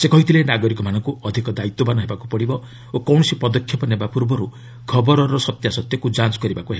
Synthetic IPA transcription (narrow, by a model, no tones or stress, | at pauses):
sekɔɦit̪ʰilenaɡɔɾikɔmanɔ̃ŋkuɔd̪ʱikɔd̪ait̪ːɔbanɔɦebakupɔɽibɔ | okɔwɳ̃ɔsipɔd̪ɔkʰːjɔpɔnebapuɾbɔɾu | kʰɔbɔɾɔɾɔsɔt̪jasɔt̪jɔkud͡ʒant͡ʃɔ̥kɔɾibakuɦeba